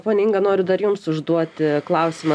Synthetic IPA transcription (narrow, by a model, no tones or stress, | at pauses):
poːnʲɛɪŋɡɐnoːɾʲʊd̪ɐɾjʊmsʊʒd̪uɔt̪ʲɪklˠɐʊsʲɪmɐ